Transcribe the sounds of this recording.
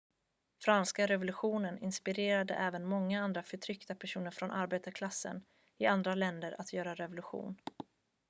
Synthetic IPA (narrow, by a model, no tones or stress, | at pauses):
fɾanskaɾɛvʊlɵɧuːnənɪnspɪɾeːɾad̪ə̰ʔɛːvənmɔŋːaand̪ɾafœʈʰɾʏkt̪apʰæʂuːnəɾfɾɔnʔaɾbeːt̪aɾkʰlasːə̰n | ɪand̪ɾalɛnd̪əɾʔat̪ʰjœːɾaɾɛvʊlɵɧṵːn